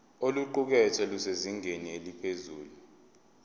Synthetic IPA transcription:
oluǃuk̬ɛtʰɛluseziŋenielipʰezuːlu

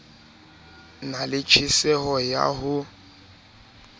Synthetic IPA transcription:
nalɪt͡ʃʰisɛɦɔja̰ɦʊ

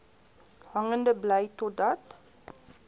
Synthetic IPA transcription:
hɐŋəndəbləjtɔdɐt

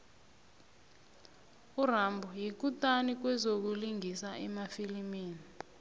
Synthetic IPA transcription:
urambʱujik̬utʼanik̬wɛzok̬uliŋisaʔɛmafilimiːni

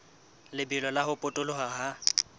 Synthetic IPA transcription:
lɪbilɔlaɦʊpʼotʼʊlʊɦaɦa

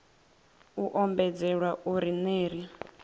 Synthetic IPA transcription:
uʔɔmbɛd͡zɛɺwaʔuɾineːɾi

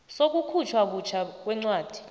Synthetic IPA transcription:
sok̬ukʰut͡ʃʰwak̬ut͡ʃʰak̬wɛŋ͡ǀwaːd̥ʱi̥

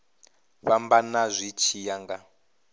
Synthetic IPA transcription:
βambanazʷit͡ʃʰijaŋɡa

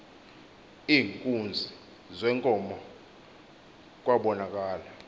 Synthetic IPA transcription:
iːŋkʼund͡zʱi | zɛŋkʼɔmɔ | k̬ʼwaɓɔnak̬ʼaːla

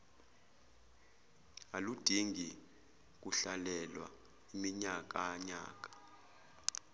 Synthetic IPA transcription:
alud̥ʱiŋɡi | k̬ʼuɬalɛlwa̰ | imiɲak̬ʼaɲa̰ːk̬ʼḁ

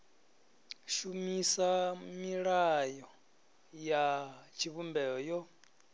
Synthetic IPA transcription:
ʃumisamiɺajɔ | jat͡ʃʰiβumbɛɔjɔ

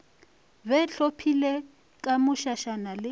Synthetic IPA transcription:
bɛɬopʰilɛ | kʼamʊʃaʃanalɪ

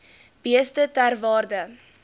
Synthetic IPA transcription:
b̥iəstətærvɑːrdə

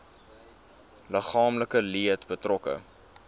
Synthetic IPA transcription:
ləχɑːmləkəliətbətrɔkə̰

